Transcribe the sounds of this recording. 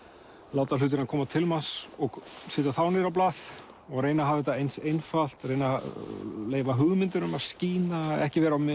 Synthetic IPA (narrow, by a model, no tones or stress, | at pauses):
laːwt̪al̥ʏːt̪̬ɪɾnakʰɔːmat̪ʰɪlmansɔɣsɪːt̪aθawnɪɾawp̬laːθ | ɔɣɾeːjnaɦavɪt̪aejnsejnfal̥t̪reːjna | leːjvaɦʏɣmɪnt̪ʏɾʏmaðsciːnaɛ̰hcɪvɛːɾawm